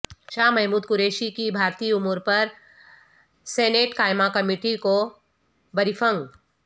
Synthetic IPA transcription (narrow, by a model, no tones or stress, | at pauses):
ʃaːmɛɦmuːd̪̚kʊɾeːʃikibʱaːɾt̪iʊmuɾpɐɾ | seːneːʈkaːɪmakɐmiːʈiko | bɐɾifʰə̃ŋɡ